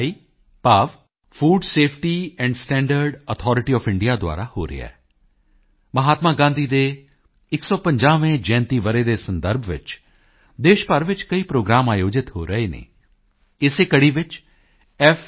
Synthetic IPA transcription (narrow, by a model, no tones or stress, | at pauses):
iː | paːʋ | pʰuːɖseːpʰʈiːɛ̃ːɳɖsʈɛ̃ːɳɖəɾɖət̪ʰɔːɾɪʈiːɔːpʰɪ̃ɳɖijaːd̪ʊa̰ːɾaːho̰ːɾɪ̰ɛ̰ː | məɦaːt̪maːɡãːnd̪iːd̪eː | ɪksɔːpə̃ɲd͡ʒaːʋẽːd͡ʒɛ̃ːnt̪iːʋəɾeːd̪eːsənd̪əɾbʱʋɪ̰t͡ʃ | d̪eːʃpəɾʋɪt͡ʃkəiːpɾoːɡɾaːmaːjoːd͡ʒɪt̪ɦoːɾəeːnḛː | ɪseːkəɽiːʋɪt͡ʃ | ɛf